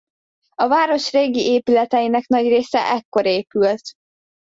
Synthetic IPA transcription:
ɒvaːɾo̞ʃreːɡiʔeːpylɛt̪ɛjinɛknɒɟreːsɛ̰ʔɛkːo̞ɾeːpylt̪

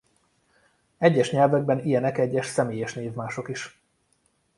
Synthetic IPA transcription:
ɛɟːɛʃɲɛlvɛɡ̚bɛnijɛnɛkɛɟːɛʃsɛmeːjɛʃneːvmaːʃo̞kiʃ

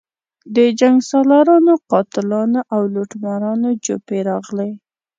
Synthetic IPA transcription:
d̪əd͡ʒaŋɡsɑlaɾɑnoqɑt̪ɪlɑnoʔawloʈmaɾɑnod͡ʒopeɾɑɣle

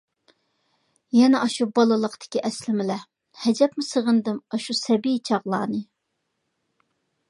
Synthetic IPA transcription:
jɛnɛʔɑʃubɑlˠɨlˠəqd̪ɪ̥kʲiʔɛslɪmɪlɛ | hɛd͡ʒɛpmɪsəʁənd̪ɨmɑʃusɛbijt͡ʃʰɑʁlˠɑːnɨ

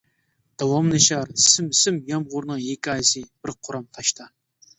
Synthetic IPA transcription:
d̪̥awɑmnɨʃɑɾsɨmsɨmjɑmʁʊɾnɨŋjekʲʰːɑjsɨb̥ɨɾqʰʊɾɑmt̪ʰɑʃt̪ʰɑ

